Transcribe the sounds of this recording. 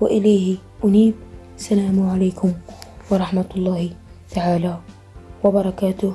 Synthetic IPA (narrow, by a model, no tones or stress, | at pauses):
wɪʔɪlaːh | ʔʊniːb̚ | salaːmʕalaːkʊmwɑɾˤɑħmat̪lˤːɑːhɪ | t̪aʕaːla | wɑbɑɾˤɑkaːt̪ʊh